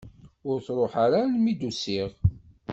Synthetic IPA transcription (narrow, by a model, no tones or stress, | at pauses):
ʊɾθɾˤoħaɾalmid̪usiʁ